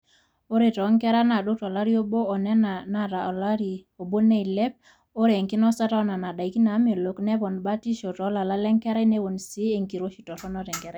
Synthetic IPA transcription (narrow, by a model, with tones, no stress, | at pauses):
o˦ɾe˨tɔ˨˦ŋkɛ˦ɾa˦na˨ɗo˦tɔ˨la˦ɾi˦o˦boː˦˨nɛ˦nana˨ta˨la˦ɾi˨o˨bo˦ne˦i˨lɛ˦p̚ | o˦ɾe˨ŋki˦nɔ˦sa˦ta˦ɔ˦na˨na˨da˨i˨ki˦na˨˦me˨lo˨knɛ˦bɔ˨nba˦ti˦ʃo˨tɔ˨˦la˨la˦lɛ˦ŋkɛ˦ɾɛ˦ne˦wo˨nsi˦e˨ŋki˨ɾo˦ʃi˨tɔ˨tɔ˦nɔ˦tɛ˨ŋkɛ˨ɾɛ˨